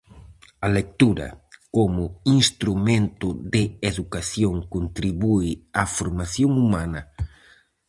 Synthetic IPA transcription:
ɐlek̚t̪uɾɐ̰komʊinst̪ɾumẽnt̪ʊðɪeðukaθjoŋkont̪ɾiβuɪafoɾmaθjoŋumanɐ

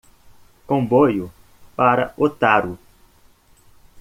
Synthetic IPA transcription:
kõmbojʊ | paɾɐ̰ot̪aɾu

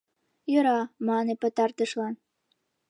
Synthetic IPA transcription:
jɤ̆ɾɑmɑnepə̆t̪ɑrt̪ə̆ʃlɑn

